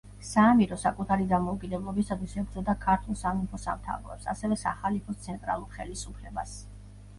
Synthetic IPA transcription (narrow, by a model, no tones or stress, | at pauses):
saːmiɾɔsakʼut̪ʰaɾid̪amɔukʼid̪ɛblˠɔbisat̪ʰwisɛɡɾd̪zɔd̪akʰaɾt̪ʰulˠsamipʰɔsa̰mt̪ʰa̰vɾɛ̰psa̰sɛvɛsaχalipʰɔst̪sʰɛnt̪ʼɾa̰lˠuɾχɛlisupʰlɛbas